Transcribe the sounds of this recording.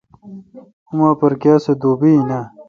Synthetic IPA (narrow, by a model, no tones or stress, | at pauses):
umaːpɐɾkjaːsed̪oːbina